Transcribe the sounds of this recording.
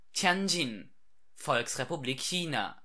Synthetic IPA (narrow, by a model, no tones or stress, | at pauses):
tʰjand͡ʒin | fɔlksʁepubliːkçiːna̰